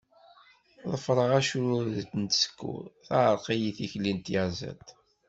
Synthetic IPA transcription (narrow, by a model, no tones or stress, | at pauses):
ðˤəfɾˤəʁæʃuðt̪nt̪sə̥kːṵθaʕəɾˤqijiθiçlint̪jazæ̰t̪